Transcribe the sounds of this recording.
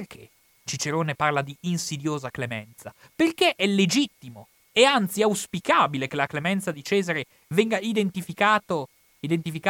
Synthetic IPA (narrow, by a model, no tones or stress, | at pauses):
perkʰḛ | t͡ʃit͡ʃeɾoːneparlad̪iːnsid̪joːzaklemɛ̰nt̪sa | perkeʔɛlːed͡ʒit̪ːimo | ɛant̪siawspikaːbilekelaklemɛnt̪sad̪it͡ʃɛːzaɾe | vɛŋɡaid̪ent̪ifikaːt̪o | id̪ent̪ifika